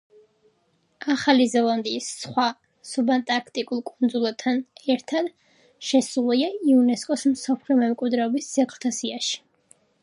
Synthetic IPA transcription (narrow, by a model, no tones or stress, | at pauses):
aχalizɛlˠand̪iːsːχwa | subant̪ʼaɾkʰt̪ʼikʼulˠkʼund̪zulˠat̪ʰːanɛɾt̪ʰad̪ | ʃɛsulˠiaiunɛskʼɔsmsɔpʰliɔmɛmkʼwid̪ɾɛɔbisːɛɡʰlˠt̪ʰasiaʃi̥